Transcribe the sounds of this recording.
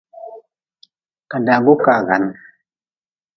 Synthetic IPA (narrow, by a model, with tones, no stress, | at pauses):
ka˨da˨ɡu˦ka˨ɡa̰˨˦n